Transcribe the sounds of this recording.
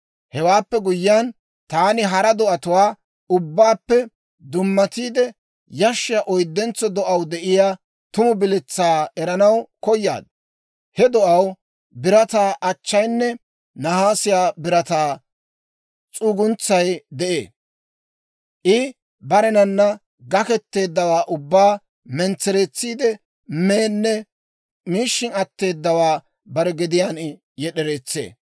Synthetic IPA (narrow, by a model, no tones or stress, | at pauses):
hɛwaːpːɛɡʊjːɪjan | t̪aːnɪɦɐɾɐd̪ɔʔɐt̪ʊwaː | ʊbːaːpːɛ | d̪ʊmːɐt̪iːd̪ɛ | jɐʃːɪjaʔɔjd̪ːɛnt͡sːɔd̪ɔʔɐwd̪ɛʔɪjaː | t̪ʊmʊbɪlɛt͡sːaːɛɾɐnɐwkɔjːa̰ːd̪ | hɛd̪ɔʔɐw | bɪɾɐt̪aːʔɐt͡ʃːɐjnːɛ | nɐhaːsɪjaːbɪɾɐt̪aː | t͡sʼuːɡʊnt͡sːɐjd̪ɛʔḛː | ʔɪ | bɐɾɛnɐnːɐ | ɡɐkɛt̪ːe̞ːd̪ːɐwaːʔʊbːaː | mɛnt͡sːɛɾet͡sːiːd̪ɛ | meːnːɛ | miːʃːɪnɐt̪ːe̞ːd̪ːɐwaː | bɐɾɛɡɪd̪ɪjaːn | jɛɗɛɾeːt͡sːḛː